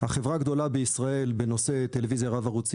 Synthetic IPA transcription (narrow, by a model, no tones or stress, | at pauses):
haχevʁaɡd̪o̞labeisʁae̞lbe̞no̞se̞t̪elevizjaʁavaʁut͡s